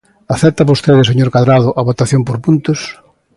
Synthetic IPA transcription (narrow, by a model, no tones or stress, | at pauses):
aθɛt̪ɐβost̪eðɪseɲoɾkaðɾaðʊʔɐβot̪aθjompoɾpunt̪ʊs